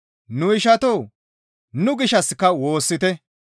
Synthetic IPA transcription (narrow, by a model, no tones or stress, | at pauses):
nʊɪʃɐt̪oː | nʊɡɪʃɐskːɐwo̞ːsːɪt̪ɛ